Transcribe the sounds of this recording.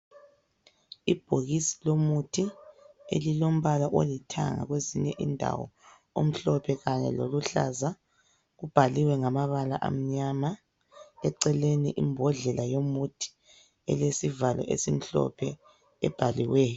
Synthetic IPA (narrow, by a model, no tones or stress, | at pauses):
ib̥ʱoɣisi̥lomutʰiḛlilom̩βalaʔolitʰa̰ŋa̰ɣweziɲɛʔindʱa̰wɔ̰ | om̩ɬɔpʰɛɣaɲɛ̰loluɬa̰za | ɣub̥ʱaliwɛŋamaβala̰ʔa̰m̩ɲama | ɛǀɛleniʔimbʱɔɮɛlajomutʰi̥ | ɛlesivalɔ̰ʔḛsim̩ɬɔ̰pʰɛ | ɛb̥ʱaliweːjɔ